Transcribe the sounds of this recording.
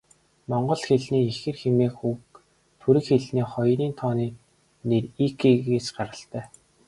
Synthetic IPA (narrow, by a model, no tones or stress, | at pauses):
mɔɴɢɞ̆ɮxeɮniːexɘ̆rxemeːxuk | t̪ʰuɾɘ̆kxeɮniːχɔjɾiːnt̪ʰɔːniː | nerikʰeɣeːsɢaɾə̆ɬt̪æː